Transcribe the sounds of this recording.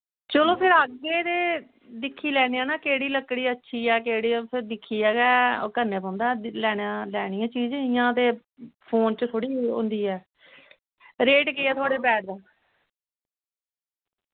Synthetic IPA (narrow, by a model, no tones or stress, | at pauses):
t͡ʃəlõːpʰɪɾəɡeːt̪eː | d̪ɪkʰːiːlɛːɽ̃iːãːnaːkeːɽiːləkːɽiːətːʃʰiːɛːkeːɽiːpʰɪɾd̪ɪkʰːiːɛːɡɛːkəɾneːpɔ̃ːnd̪aːɛlɛːɽãːlɛːɽ̃iːãːt͡ʃiːd͡ʒːijãːt̪eː | pʰoːnt͡ʃət̪ʰoːɽiːʊ̰̃nd̪iːɛː | ɾeːʈkeːɛːt̪ʰoaːɽeːbɛːʈ̚d̪aː